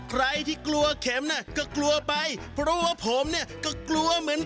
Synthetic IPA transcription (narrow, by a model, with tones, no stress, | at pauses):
kʰɾa˧jt̪ʰiː˥˩klu˧ɐkʰe˩˦mna˥˩kɔː˥˩klu˧ɐpa˧jpʰɾɔ˦˥waː˥˩pʰo˨˩˦mni˥˩ɐkɔː˥˩klu˧ɐmɯ˩˦ən